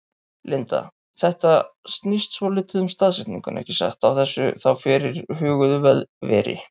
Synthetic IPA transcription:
lɪnt̪a̰ | θɛht̪ast̪nist̪svɔlɪːt̪ʏðʏmst̪aðsɛht̪niŋkʏnʔɛ̰hcɪsa̰ht̪awθɛsːʏ̰θawfɪɾɪɾ̥hʏːɣʏðvɛðvɛ̰ːɾɪ̰

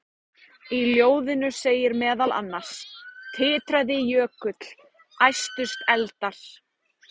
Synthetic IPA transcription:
iljoːwðɪnʏseːjɪɾmɛːðala̰nːḁst̪ʰɪːt̪ɾajðɪjœːkʏt̪l̥ | ajst̪ʏst̪ɛlt̪aɾ̥

